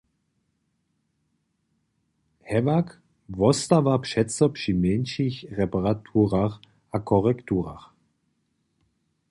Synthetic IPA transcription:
hɛvak | vɔstavapʂɛt͡sɔpʂimɛnʃiçʁɛpaʁatʰuːʁax | ʔakʰɔʁɛktuːʁa̰x

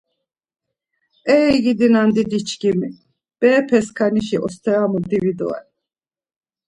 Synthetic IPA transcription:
ɛɡid̪inand̪id̪it͡ʃʰɡimi | b̥ɛːpʰɛskʰaniʃiʔɔst̪ʰɛɾamud̪ivid̪ɔ̰a̰n

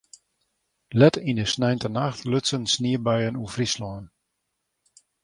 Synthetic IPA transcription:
lɛtindəsnɛjntənaxtʰløsənsniəbɛjənufrislɔən

